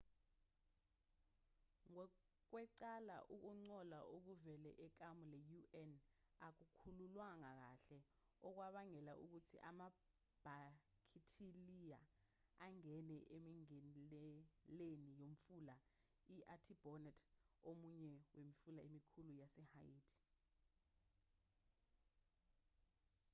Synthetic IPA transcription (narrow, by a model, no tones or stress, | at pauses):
ŋɔ | k̬wɛǀala̰ʔuk̬uŋ͡ǀɔlaʔuk̬uvɛlɛ̰ʔɛk̬amulɛjuɛn | ak̬ukʰululwaŋak̬aɬɛ | ɔk̬waɓaŋɛlaʔuk̬utʰḭʔama | b̥ʱakʰitʰilija̰ | aŋɛnɛʔemiŋɛɛlenijomfula | iʔatʰib̥ʱɔnɛtʰomuɲɛwemifulaemikʰulujasɛha̰jiːtʰi̥